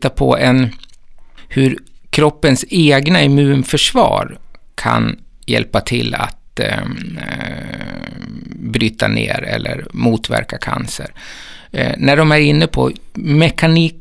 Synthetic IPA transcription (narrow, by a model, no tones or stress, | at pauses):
t̪ːapʰɔɛn | hɵɾkʰɾɔpːənseːɡnaɛmʉ̟ːnfœʂvɑːɾkʰan | jɛlpat̪ʰɪlːat̪ | bɾyːt̪anḛːɾɛlːəɾmuːt̪væ̰ɾkakʰansəɾ | næɖɔmæɾɪnːəpʰɔmɛkʰaniː